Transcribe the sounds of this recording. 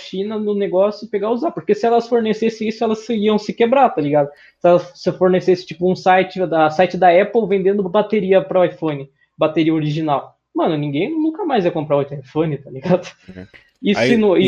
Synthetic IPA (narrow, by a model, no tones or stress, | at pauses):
ʃĩnɐnʊneɡɔsjʊpeɡauzapoɾkesɪɛlɐsfoɾnesesɪ̃isʊɛlɐsiɐ̃w̃sɪkebɾat̪aliɡad̪ʊ | sɪɛlɐssefoɾnesesɪ̥̃t͡ʃi̥pʊũsajt͡ʃɪd̪ɐsajt͡ʃɪd̪ɐɛpowvẽnd̪ẽnd̪ʊbat̪eɾiɐpɾɐajfõnɪ | bat̪eɾiɐoɾiʒinaw | mɐ̃nʊnĩɡẽj̃nũkɐmajziɐkõpɾaot̪ɾajfõnɪt̪aliɡad̪ʊ | isɪnũi